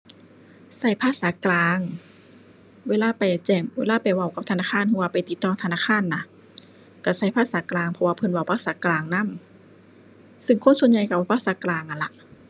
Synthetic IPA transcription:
sa˧˩jpʰaː˧˥˨saː˨˦klaː˧ŋ | weː˧˥˨laː˧˥˨pa˨˩jt͡ɕɛː˧˩ŋweː˧˥˨laː˧˥˩pa˨˩jwa˧˩wka˧p̚t̪ʰa˧naː˧˩kʰaː˧˥˨nhu˧waː˧˨pa˨jt̪i˧˦t̪ːɔː˧˩ŋt̪ʰa˧naː˧˥˩kʰaː˧˥˨nːa˧ | ka˧˩sa˧˩jpʰaː˧˥˨saː˨˦klaː˧˩ŋpʰɔ˧waː˧pʰɤ˧˨nwa˧˩wpʰaː˧˥˩saː˨˦klaː˧˩ŋna˧˥˨m | sɯ˧ŋkʰo˧˥˨nsu˧ənɲa˧jka˧˩waː˧˩pʰaː˧˥˨saː˨˦klaː˧ŋʔa˨nla˧ʔ

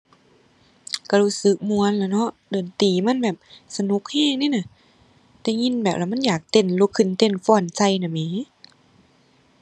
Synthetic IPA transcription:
ka˧˩luː˧˥˨sɯ˧˦k̚mu˧ə˨nlɛ˧˩˨nɔ˧˥ʔdɤː˨˩nt̪iː˨˩ma˧˥˨nbɛː˨˩p̚sa˧nu˧˦k̚hɛː˧˥˩ŋniː˧˨na˧˨ | t̪ɛː˧˦ŋi˧˥˨nbɛː˨˩p̚laː˧m˧˥˨jaː˨˩k̚t̪e˧˩˨nluː˧˦kʰːɯ˧˨nt̪e˧˩˨nfɔː˧˩˨nsa˧˩˨jna˧˨miː˧˦

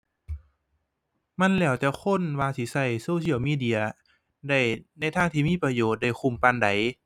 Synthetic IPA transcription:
ma˧˥˨nlɛː˧˩wt͡ɕa˧˦kʰo˧˥˨nwaː˧si˧˦sa˧˩jsoː˧sʰi˧˨wmiː˧˥˨di˧˨ɐ | da˧˩jna˧˩jt̪ʰaː˧˥˨ŋt̪ʰiː˧˨miː˧˥˨pa˧joː˨˩t̪̚da˧˩jxu˧˩˨mpa˧˨nda˨˦j

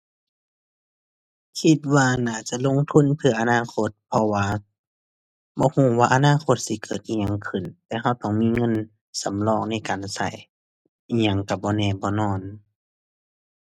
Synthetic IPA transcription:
kʰi˧t̪̚waː˧naː˧˩t͡ɕa˧˨ʔlo˧˨ŋt̪ʰu˧˥˨npʰɯ˧˩ɐʔa˧naː˧˥˨kʰo˧˦t̪̚pʰɔ˧waː˧ | bɔː˧˦huː˧˩˨waː˧ʔa˧naː˧˥˨kʰo˧˦t̪̚si˧˦kɤː˨˩t̪̚ʔiː˧˨ɲa˧˨ŋkʰɯ˨˩nt̪ɛː˧hɦa˧˩wt̪ɔː˧˩ŋmiː˧˥˨ŋɤ˧˥˨n | sa˨˦mlɔː˧˩˨k̚na˧˥˨jkaː˨nsa˧˩j | ʔi˧ɲa˧˩ŋka˧˩bɔː˧˦nɛː˧˩bɔː˧˦nɔː˧˩˨n

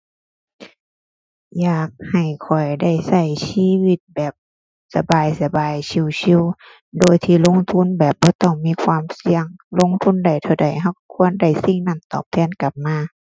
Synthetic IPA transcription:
jaː˨˩k̚ha˨˩jkʰɔ˨˩jda˧˩jsa˧˩jsiː˧˥˨wi˧˩t̪̚bɛː˨˩p̚ | sa˧baː˨jsa˧baː˨jsʰi˧˩˨wsʰi˧˥˨w | doː˧˩jt̪ʰiː˧˩˨lo˧˥˨ŋt̪ʰu˧˥˨nbɛː˨˩p̚bɔː˧˦t̪ɔ˧˩ŋmiː˧˥˨kʰwaː˧˥˨msi˧˥əŋlo˧˥˨ŋt̪ʰu˧˥˨nda˧˩jt̪ʰa˧˩wda˨˩jɦa˧˩wkʰu˧˥ənda˧˩jsi˧˥ŋna˧˩˨nt̪ɔ̰ː˨˩p̚t̪ʰɛː˧˥˨nka˧˩p̚maː˧˥˨

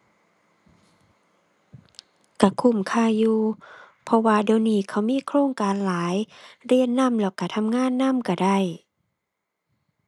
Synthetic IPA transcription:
ka˧˩kʰu˧˩˨mkʰaː˧˩˨wjuː˧ | pʰɔ˧waː˧de˧˨wniː˧˩kʰa˧˩wmiː˧˥˨kʰɾoː˧˨ŋkaː˨nlaː˨˦jɾi˧˩ənːa˧˥˨mlɛ˧˩wka˧˩t̪ʰa˧˥˨mŋaː˧˥˨nːa˧˥˨mka˧˩da˧˩j

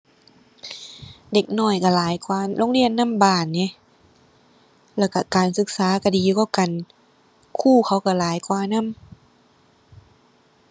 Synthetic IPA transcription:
de˧˩k̚nɔː˧˩jka˧˩laː˨˦jkwaː˧lʔoː˧˥˨ŋli˧˩˨ənːa˧˥˨mbaː˧˨˩nːe˧˦ | lɛː˧˩wka˧˩kaː˨nsɯ˧˦k̚saː˨˦ka˧˩diː˨juː˧ka˧˩wka˨n | kʰuː˥˩kʰa˧˦wka˧˩laː˨˦jkwaː˧˦na˧˥˨m

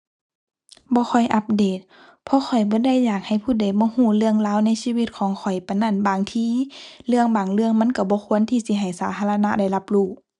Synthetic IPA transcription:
bɔː˧˦xʰɔ˨˩jʔa˧p̚deː˨˩t̪̚ | pʰɔ˧˦xʰɔ˨˩jbɔː˧˦da˧˩˨jːaː˨˩k̚ha˨˩jpʰuː˧˩da˧˩jbɔː˧˦huː˧˩lɯ˧˨əŋlaː˧˥˨wna˧˥˨jsiː˧wi˧t̪̚kʰɔː˨˦ŋkʰɔ˨˩jpa˨nːa˧˩˨nbaː˨˩ŋt̪ʰiː˧˨lɯ˧əŋbaː˨˩ŋlɯ˧əŋma˧˥˨nka˧˩bɔː˧˦kʰu˧˥ənt̪ʰiː˧si˧˦ɦa˨˩jsaː˨˦t̪ʰaː˧la˧na˧˥da˧˩jla˧p̚luː˧˩

